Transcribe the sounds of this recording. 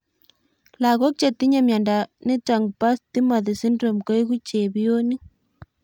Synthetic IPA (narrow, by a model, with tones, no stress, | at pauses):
la˨ɣo˦k̚t͡ʃe˨t̪ːi˦ɲa˨mja˨nda˨ne˦ta˨ŋpa˦st̪i˦ma˨ðe˨si˦ndɾo˨mko˦i˦ɣu˦t͡ʃe˨βijo˦ni˦